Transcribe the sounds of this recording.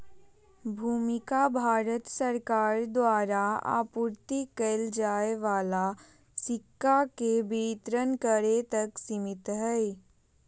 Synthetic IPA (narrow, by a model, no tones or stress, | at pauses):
bʱuːmɪkabʱaːɾət̪sɐɾkaːɾd̪waːɾaa̰ːpuːɾt̪ikəld͡ʒaːeʋaːla | sɪkːakebit̪ɾənkəɾet̪ɐksɪmɪt̪ɦɛj